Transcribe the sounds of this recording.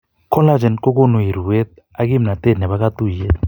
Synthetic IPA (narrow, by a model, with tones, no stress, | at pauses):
kʰɔ˦la˦d͡ʒɛ˨nkɔ˦k̬ɔ˦no˨i˨ɾu˨we˦t̪̚ | a˦k̬i˦m̩˨na˨t̪ʼe˦˨nɛ˨βa˦k̬a˦t̪u˦˨i˨jɛ˦